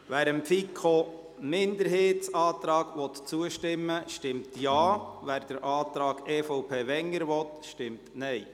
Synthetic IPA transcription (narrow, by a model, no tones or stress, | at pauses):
ʋæːɾəmfikʰo | mɪnd̪əɾɦeːtt͡sɑːt̪ɾɑːɡʋɔt̪t͡suəʃtɪmːəʃtɪmtjɑːvæːɾd̥əɾʔɑːt̪ɾɑːɡ̥ɛːfɔʊpʰeːvɛŋːəɾʋɔt̪ʃtɪmtnɛj